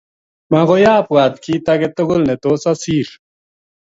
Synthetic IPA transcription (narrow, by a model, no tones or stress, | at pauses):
maɣojaːpwaːd̪̚kit̪ɐɡet̪oɡulnet̪oːsɐsiːɾ